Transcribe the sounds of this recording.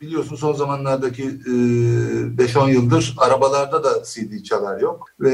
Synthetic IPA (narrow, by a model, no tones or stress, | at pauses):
bilʲijo̞ɾsunso̞nzamanlˠaɾd̪acʰi | bɛʃo̞njɯlˠd̪ɯɾaɾabalˠaɾd̪ad̪asijd̪iːt͡ʃʰalˠaɾjo̞k̚vɛ